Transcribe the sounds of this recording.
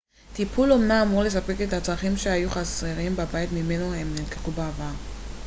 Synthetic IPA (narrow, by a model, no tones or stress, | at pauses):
t̪ipʰulomnaːmuʁle̞s̬ape̞ke̞t̪hat͡sʁaχimʃeajuχaseʁimbabajit̪mime̞noemnilkeχubaavaʁ